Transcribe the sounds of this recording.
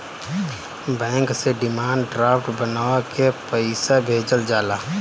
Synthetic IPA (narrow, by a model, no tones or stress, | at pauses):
bɛ̃ːŋkseɖɪmaːɳɖɖɾaːpʈbənaːwakepəɪsabʱeːd͡ʒəld͡ʒaːlaː